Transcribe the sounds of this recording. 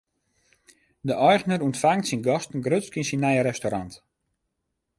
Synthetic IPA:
dəʔɔjχnəɾuntfaŋtsinɡɔstn̩ɡrøt͡skinsinːajəɾɛstoɾant

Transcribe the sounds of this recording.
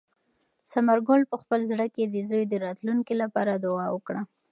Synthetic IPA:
samaɾɡolpəxpəlzɽəked̪əzojd̪əɾɑt̪luŋkilapɑɾad̪ʊɑwəkɽa

